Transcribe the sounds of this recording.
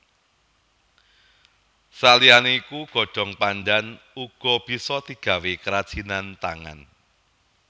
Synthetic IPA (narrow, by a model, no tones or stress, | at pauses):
salianeikuɡ̥ɔ̤̥d̥ɔ̤ŋpandan | uɡ̥ɔ̤b̥i̤sɔt̪iɡ̥a̤wekəɾad̥ʒ̥inant̪aŋa̰n